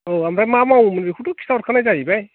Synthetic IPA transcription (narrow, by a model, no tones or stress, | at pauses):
oamɹamamaw̃manbexʰutukʰi̥saɔt̚kʰanajzaɦibaj